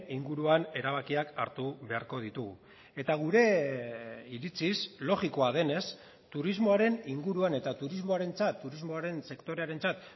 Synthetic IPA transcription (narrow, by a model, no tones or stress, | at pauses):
iŋɡuɾuane̞ɾaβ̞akiaka̰ɾt̪uβe̞aɾko̞ð̞it̪uɣu | e̞t̪aɣ̞uɾe̞ | iɾit͡sislo̞ɣiko̞að̞e̞ne̞s | t̪uɾizmo̞aɾe̞niŋɡuɾuane̞t̪at̪uɾizmo̞aɾe̞nt͡sat̪ːuɾizmo̞aɾe̞nse̞kt̪o̞ɾe̞aɾe̞nt͡sat̪